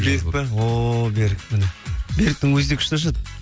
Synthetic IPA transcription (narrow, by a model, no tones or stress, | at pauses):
beɾɪk̚pɪwobeɾɪk̚mɪnebe̞ɾk̚t̪ɪŋwɵzd̪ekʰʲʃt̪ɑʃ̬ɑd̪ə